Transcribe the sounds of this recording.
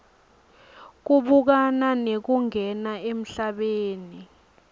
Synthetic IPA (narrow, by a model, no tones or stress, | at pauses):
k̬uɓuk̬ananek̬uŋɛnaem̩ɬaɓeːni